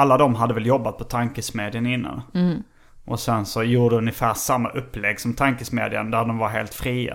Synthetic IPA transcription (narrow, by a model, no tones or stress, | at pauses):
alːad̪ɔmɦad̪ːəvɛljɔbːat̪̚pʰɔt̪ʰaŋkəsmeːd̪ɪənɪnːa̰n | ʔɔsɛnsɔjuːɖəɖɛɵnjəfæːʂamːa̰ʔɵpːlɛɡːsɔmt̪ʰaŋkəsmḛːd̪ɪə̰nd̪æɖɔmvaɾɦḛːlt̪fɾiːa̰